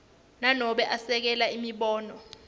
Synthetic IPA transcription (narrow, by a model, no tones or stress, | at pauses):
nanɔɓɛʔasɛk̬ɛlaimiɓɔːnɔ